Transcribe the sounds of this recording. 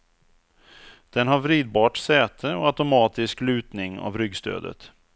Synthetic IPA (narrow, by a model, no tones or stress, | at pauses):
d̪̥ɛnɦaɾvɾiːd̪̚bɑːʈsɛːt̪ʰəɔat̪ʊmɑːt̪ɪsklʉ̟ːt̪nɪŋa̰vɾʏɡst̪ʰø̰ːd̪ə̰t̪